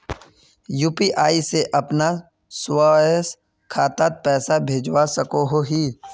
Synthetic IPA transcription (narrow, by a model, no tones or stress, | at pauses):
juːpiʔaːiseʔɐpna | swaəs | kʰaːt̪at̪̚pɛːsabʱeːd͡ʒwasəkoɦoɦiː